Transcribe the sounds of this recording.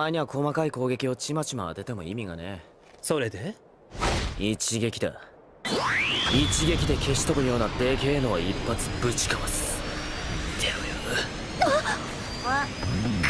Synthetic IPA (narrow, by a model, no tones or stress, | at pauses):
aiɲ̟iβakʰo̞makaiko̞ːɡe̞kʲio̞t͡ɕimat͡ɕima̰ːt̪e̞t̪e̞mo̞̰imʲiɡa̰ne̞ | so̞ɾe̞d̪e | it͡ɕiɡe̞kʲid̪ḛ | it͡ɕiɡe̞kʲid̪e̞kʰe̞ɕi̥t̪o̞bɯ̟jo̞ːnat̪e̞ːke̞ːno̞ːipːat͡sɨ̥bɯ̟t͡ɕi̥kamasɨ̥ | t̪ʰejɯ | a